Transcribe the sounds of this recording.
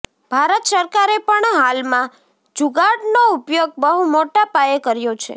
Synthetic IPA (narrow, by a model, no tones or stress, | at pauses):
b̥ʱaɾət̪səɾkaɾepəɳɦalmã | d͡ʒuɡaɖnoupjoɡ̚bəɦumoʈapajekəɾjot͡ʃʰḛ